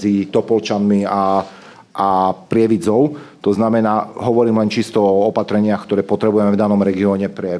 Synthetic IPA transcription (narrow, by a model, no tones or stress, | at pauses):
it̪ɔpɔlt͡ʃanmia | ʔapɾɪɛʋid͡zɔʊt̪ɔznamɛnaːɦɔʋɔɾiːmlɛnt͡ʃist̪ɔɔɔpat̪ɾɛɲɪaxkt̪ɔɾɛːpɔt̪ɾɛbujɛmɛvd̪anɔmɾɛɡiɔːɲɛpɾɛ